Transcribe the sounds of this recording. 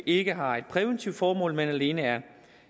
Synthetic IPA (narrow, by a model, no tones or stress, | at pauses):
ʔe̝ɡ̥əɦɑ̈e̝d̥̚pʰʁɛʋent͡sʰiʊd̥fɒːmɔ̰̽ːlmenæle̝ːnəæɐ